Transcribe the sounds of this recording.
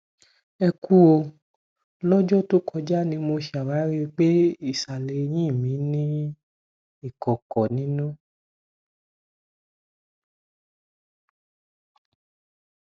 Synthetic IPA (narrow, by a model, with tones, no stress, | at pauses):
ɛ˧ku˦o˧ | lɔ˦d͡ʒɔ˦to˦kɔ˧d͡ʒa˦nĩ˧mo˧ʃa˨wa˨˦ɾi˦˧k͡pe˦i˦˨sa˨le˨˧˨j̃ĩ˦˨mĩ˨˦nĩ˦ | i˦˨kɔ˨kɔ˨nĩ˨˦nũ˦